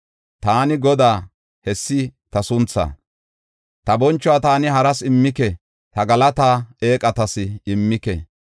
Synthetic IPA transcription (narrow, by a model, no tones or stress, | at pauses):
t̪aːnɪɡɔd̪aː | hɛsːɪt̪ɐsʊnt͡sːa̰ː | t̪ɐbɔnt͡ʃːɔwaːt̪aːnɪɦɐɾɐsɪmːɪkɛ | t̪ɐɡɐlɐt̪aːe̞ːkʼɐt̪ɐsɪɪmːɪkɛ̰